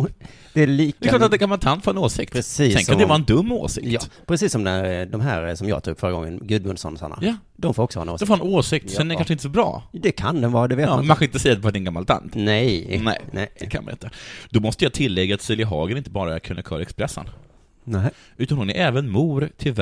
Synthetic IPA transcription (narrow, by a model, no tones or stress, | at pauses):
d̪̥ɛæliːd̪ɛːklɑːtːat̪d̪ɛɡamalt̪ʰant̪foːɾɛnoːsɪk̚tɾsɛnkʰand̪ɛvɑːɾɛnd̪ɵmːo̰ːsɪ̰k̪pʰɾɛsiːsːɔmd̪ɛɾd̪ɔmɦæːɾsɔmjɑ̰ːt̪ʰṵɡfœɾəɡɔ̰ŋːə̰nɡɵd̪mʊnsɔ̰nsa̰na̰jɑ | d̪ɔmfoːɾɔksɔhɑ̰ːɛnoːdɛfoːɾɛnoːsɪk̚t̪sɛnɛɾkʰanʂəɪnt̪əsɔbɾɑ̰ːd̪ɛkʰand̪ɛnvɑːɾad̪ɛveːtːmʰanxɔɪnt̪əsɛjːat̪ɛffat̪ɛnɡamːalt̪ʰa̰nt̪nɛjnɛ̰ɪnd̪ɛkʰanma̰ɪ̰nt̪əd̪̥ɔmɔst̪əjɑt̪ʰɪlːɛɡːaːt̪sɪlɪɦɑ̰ːɡəɾɪnt̪əbɑːɾaæɾkʰɵnəkʰœ̰ːɾɛkspɾɛsːə̰n | ʔʉ̟ːt̪anhʊnɛʔɛːvənmuːɾt̪ʰɪl